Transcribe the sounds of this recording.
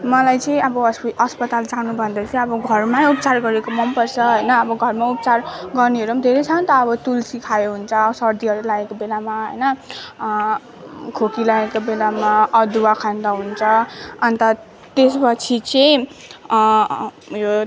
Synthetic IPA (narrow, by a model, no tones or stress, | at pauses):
mʌlajt͡sʌĩʌbʌʌsʌspʌt̪ald͡zanubʱʌnd̪ʌt͡sʌj̃ʌbʌɡʱʌrmaup̚t͡sarɡʌɾekomʌmpʌrt͡sʰʌɦʌjnʌːbʌɡʱʌrmaupt͡sarɡʌrniɦʌɾumd̪ʱeɾet͡sʰʌnt̪ʌːbʌt̪ulsikʰajoɦunt͡sʰʌsʌrd̪iʌɾulaekobelamaɦʌ̰jnʌ | kʰokilaekobelamaʌd̪uakʰand̪aɦunt͡sʰʌʌnt̪ʌ | t̪espʌt͡sʰit͡sʌj | jo